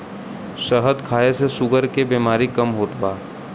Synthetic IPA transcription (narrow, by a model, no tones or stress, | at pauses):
ʃəɦəd̪kʰaːesesʊɡəɾkebeːmaːɾikɐmɦoːt̪baː